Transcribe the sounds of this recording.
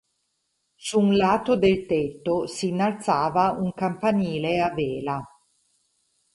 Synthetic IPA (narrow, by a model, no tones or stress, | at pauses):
suːnlaːt̪od̪elt̪et̪ːosinːalt̪saːvauŋkampaniːleaveːla